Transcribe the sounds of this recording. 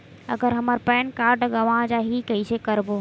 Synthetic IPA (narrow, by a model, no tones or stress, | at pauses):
ə̰ɡəɾɦəməɾpɛːnkaɾɖɡəʋãd͡ʒaɦikəisekəɾbo